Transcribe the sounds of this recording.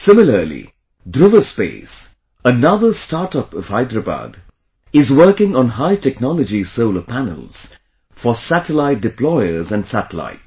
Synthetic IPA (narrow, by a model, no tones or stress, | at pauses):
sɪ̃mɪlə˞lḭ | dɾɪvəspḛɪs | ənʌðəstɑɾtʌpʌv̥haɪdɹəba̰ːd | ɪzwɜ˞kɪ̃ŋə̃nɦaɪtʰɛknɔləd͡ʒisoʊləpʰænə̰lˠz̥ | fəsætəlaɪt̚dɪplɔɪəzə̃nsætəla̰ɪt̚